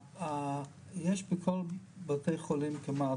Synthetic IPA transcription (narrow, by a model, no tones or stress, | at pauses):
a | jɛʃbəkʰolbatejχolimkɪma